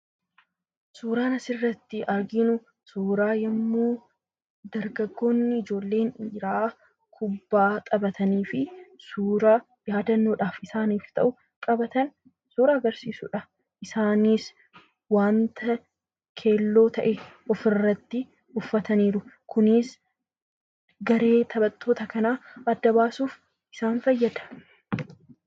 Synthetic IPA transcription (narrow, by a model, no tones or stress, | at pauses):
suːɾaːnɐsɪrːɐt̪ːɪʔɐɾɡɪnʊ | suːɾaːjɛmːuː | d̪ɐɾɡɐɡːo̞ːnːɪɪd͡ʒo̞ːlːe̞ːniːɾaː | kʰʊbːaːt̪ʼɐbɐt̪ʰɐniːfɪsuːɾaː | jaːd̪ɐnːoːᶑaːfɪsaːniːft̪ɐ̰ʔʊ | kʼɐbɐt̪ɐn | suːɾɐɐɡɐɾsiːsṵːᶑɐ | ʔɪsaːniːs | waːnt̪ʰɐ | kʰe̞ːlːo̞ːt̪ʰɐʔɛʔɔfɪrːɐt̪ːɪ | ʊfːɐt̪ɐniːɾʊkʰʊnɪs | ɡɐɾe̞ːt̪ʰɐbɐt̪ːoːt̪ɐkɐnaːɐd̪ːɐbaːsuːf | ʔɪsaːnfɐjːɐd̪ɐ̥